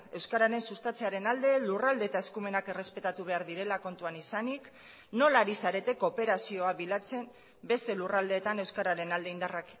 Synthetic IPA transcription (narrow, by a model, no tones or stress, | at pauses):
e̞wskaɾaɾe̞nsust̪at͡se̞aɾe̞nald̪e̞lurald̪e̞ːt̪aeskume̞nake̞re̞spe̞t̪at̪uβ̞e̞aɾðiɾe̞lako̞nt̪uanisanik | no̞laɾisaɾe̞t̪e̞ko̞pe̞ɾasio̞aβilat͡se̞m | be̞st̪e̞lurald̪e̞ːt̪ane̞wskaɾaɾe̞nald̪e̞ind̪arak